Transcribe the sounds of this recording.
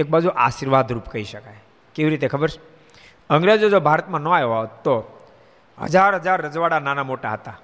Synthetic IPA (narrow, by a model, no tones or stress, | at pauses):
ek̚bad͡ʒuʔaʃiɾʋad̪ʱɾupkəɦiʃəkaj | keʋiɾit̪ekʰəbəɾʃʰ | əŋɡɾed͡ʒod͡ʒobʱaɾət̪mãnoajɦot̪o | ɦə̰d͡ʒaɾɦəd͡ʒaɾːəd͡ʒʋaɽananamoʈaɦət̪a